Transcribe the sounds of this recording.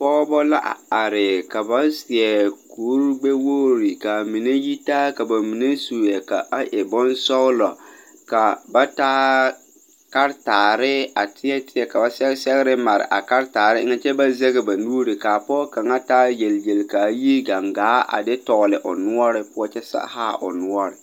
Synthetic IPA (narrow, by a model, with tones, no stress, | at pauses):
pɔː˦bɔ˦la˦ʔa̰˨a˨ɾɪ˨ka˨ba˦sɪ˨ɛ˨kuː˨˦ɾɡ͡be˦wo˦ɾi˨ka˨mi˨ne˦ji˦ta˦ka˨ba˨mi˨ne˦su˨jɛ˨ka̰˨a˦ʔɛ˨bɔ˦nsɔ˦lɔ˨ | ka˨ba˦taː˦ | ka˦ɾtaː˨ɾɪ˦a˨tʰɪ˦ɛ˦tɪ˦ɛ˨ka˨ba˨sɛ˦sɛ˦ɣɪ˦ɾɪ˦ma˨ɾɪ̰˨ʔa̰˨ka˦ɾtaː˨ɾɪ˦ŋa˦t͡ʃɛ˦ba˦zɛ˦ɣɪ˨ba˨nuː˦ɾi˨ka˨pɔ˦ka˨ŋa˦taː˦je˨lje˨lka˨˦ji˦ɡa˨ŋɡaː˨˦ʔa̰˨dɪ˦tɔ˨ɣlɪ˨ʔʊ̰˨nʊ˦ɔ˦ɾɪ˦pʊ˦ɔ˦t͡ʃɛ˦sa̰˦ha̰˦ʔʊ̰˨nʊ˦ɔ˦ɾɪ˨